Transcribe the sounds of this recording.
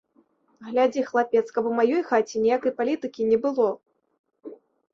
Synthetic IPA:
ɣlʲad͡zʲixlˠapʲɛt̪skɐbɔmajɔjxat͡sʲinʲijakɐjpalʲit̪ɨkʲinʲɛbɨlˠɔ

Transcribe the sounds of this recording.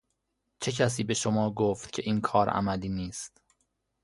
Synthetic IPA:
t͡ʃʰe̞cʰæs̬iːbe̞ʃomɒːɡoft̪̚cʰe̞ʔiːnkʰɒːɾʔæ̰mæliːniːst̪

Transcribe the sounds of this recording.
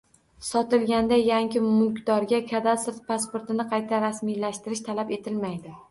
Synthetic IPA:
sɒt̪ɪlɡʲand̪ajaŋkʲɪmʊlˠkʲd̪ɒɾɡʲakʲʰad̪asɪɾt̪̚paspoɾt̪ɪnɪqʰɑjt̪ʰaɾasmijlaʃt̪ɪɾɪʃt̪ʰalape̞t̪ʰɪlmajd̪ɪ

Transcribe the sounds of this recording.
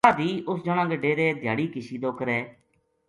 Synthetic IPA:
aːd̪iːʊsd͡ʒoɽ̃ãːɡəɖːeːɾeːd̪ʱjaːɽiːkɪʃiːd̪oːkəɾɛː

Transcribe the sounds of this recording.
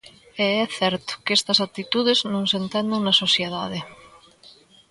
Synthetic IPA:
eɛθɛɾt̪ʊ̥kest̪ɐsat̪it̪uð̞eznõŋsent̪ɛnd̪eŋnɐsosjeðað̞e

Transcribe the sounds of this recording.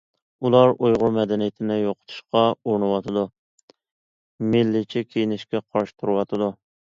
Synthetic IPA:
ulˠɑɾojʁʊɾmɛd̪ɛnijɪt̪ʰɪnɪjoqʰə̥t̪ʰu̥ʃqɑoɾnɨwɑt̪ʰɨd̪u | mɪlːɪt͡ʃʰikʲʰejinɪʃkʲɛqʰɑɾʃi̥t̪ʰuɾɨwɑt̪ʰɨd̪u

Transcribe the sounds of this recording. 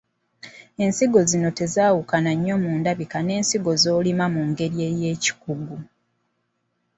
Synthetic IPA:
e̞nsiɡo̞zino̞te̞zaːwukanaɲːo̞muːndaβikane̞ːnsiɡo̞zo̞ːlimamuŋɡe̞ɾje̞je̞ːci̥kuɡu

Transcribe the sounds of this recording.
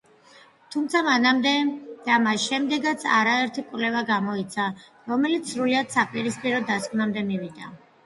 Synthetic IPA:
t̪ʰumt̪sʰamanamd̪ɛd̪̥amasʃɛmd̪ɛɡat̪sʰa̰ɾaɛɾt̪ʰikʼwvlɛvaɡamɔit̪sʰa | ɾɔmɛlit̪ssːɾuliad̪̥sapʼiɾispʼiɾɔd̪askʼnamd̪ɛmivid̪a̰

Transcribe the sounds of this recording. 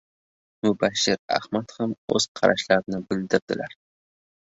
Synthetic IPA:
mʊbaʃːɪɾa̰hmat̪hamɵz̥qʰɑ̰ɾʔa̰ʃlaɾnɪbɪld̪ɪp̚d̪ɪlaɾ

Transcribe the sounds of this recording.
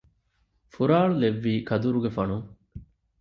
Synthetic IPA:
fuɾaːɭuleʋːiːkʰɐd̪uɾuɡefɐnu

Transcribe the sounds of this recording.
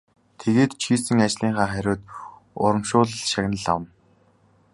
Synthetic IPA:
t̪ʰeɣeːt̪t͡ɕʰiːsɘ̆ŋat͡ɕɮiːɴχaːχæɾʲʊːt̪ | ʊɾə̆mʃʊːɮə̆ɮʃaɣʲnə̆ɮa̰wə̆n

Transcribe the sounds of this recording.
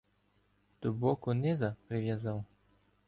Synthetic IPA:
d̪̥ubɔkʊnɛzɐpɾɪʋʲjazɑw

